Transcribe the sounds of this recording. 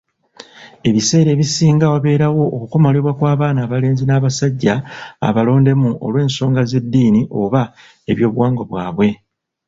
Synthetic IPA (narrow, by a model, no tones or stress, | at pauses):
e̞βise̞ːɾe̞ːβisiːŋɡawaβe̞ːɾawo̞ːkuko̞maleβwakwaːβaːnaːβale̞ːnzinaːβasaɟːa̰ːβalo̞ːnde̞muo̰lwe̞ːnso̞ːŋɡaze̞dːiːniʔo̞βa | e̞βjo̞ːβwaːŋɡoβwaːβwe̞